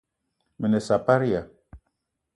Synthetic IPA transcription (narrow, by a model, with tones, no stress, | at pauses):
mə˨ne˨sa˨pa˦ɾi˦ja˨